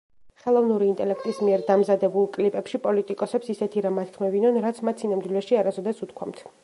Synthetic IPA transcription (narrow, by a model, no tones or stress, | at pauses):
χɛlˠɔvnuɾiːnt̪ʼɛlɛkʰt̪ʼismiɛɾd̪amzad̪ɛbulˠkʼlipʼɛpʃipʼɔlit̪ʼikʼɔsɛpsisɛt̪ʰiɾamat̪̚kʰmɛvinɔnɾat̪sʰmat̪sʰinamd̪wilɛʃiaɾasɔd̪asut̪ʰkʰwamt̪ʰ